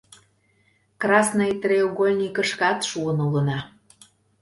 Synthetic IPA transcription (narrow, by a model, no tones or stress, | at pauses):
krɑsnɤjt̪ɾeoɣolʲnʲikə̆ʃkɑt̪ʃuənulə̆nɑ